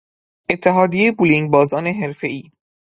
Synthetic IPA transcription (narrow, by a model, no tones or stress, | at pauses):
e̞t̪ʰːeɦɒːd̪ijejbuliŋ̚bɒːzɒːneɦeɾfe̞iː